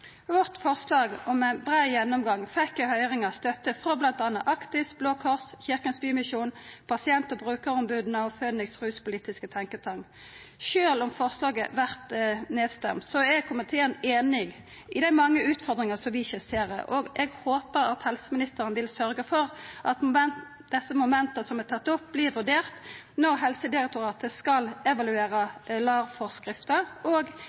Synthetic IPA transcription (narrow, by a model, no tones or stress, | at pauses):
ʋɔʁt̪fɔʁslɑːɡɔmæɪnbʁɑːjɛnːɔmɡɑŋːfɛkːɔhœʏɾɪŋɑst̪œt̪ːəfɾɔblɑnt̪ɑːnːɑʔɑkt̪ɪsb̥loːkʰɔʁsçɪʁkənsbyːmɪsuːnpʰɑsɪɛnt̪ɔbʁʉːkəɾɔmbʉːd̪nəɑʋføːd̪nɪksʁʉːspʊliːt̪ɪskət̪ʰɑŋkət̪ʰɑŋ | ʃøːlɔmfɔʁslɑːɡə̰ʋæʁt̪neːd̪st̪ɛ̰mt̪sɔɛkʰʊmət̪ʰeːəneːnɪɡ | ɪd̪æɪmɑŋːəʉːt̪fɔʁd̪ʁɪŋəsɔmʋɪɪçəseːʁə̰ʔɔɡɛɡhoːpəɾɑt̪hɛlsəmɪnɪst̪əɾənəʋɪlsœɾɡəfɔʁʔɑt̪mɛn | d̪̥ɛsːəmʊmɛnt̪əsɔmɛt̪ʰɑt̪ːɔp̚blɪʋʉɖeːʁt̪ | nɔʁɦɛlsəd̪ɪɾɛk̚t̪ʊɾɑːt̪əskɑlɛʋɑlʉeːɾəlɑːʋfɔʁskʁɪft̪əoːɡ